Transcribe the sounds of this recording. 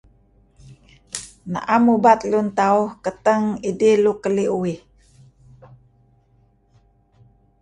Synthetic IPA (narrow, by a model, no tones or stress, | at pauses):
na̰ʔamubat̪lunt̪auhkət̪əŋidilukəliui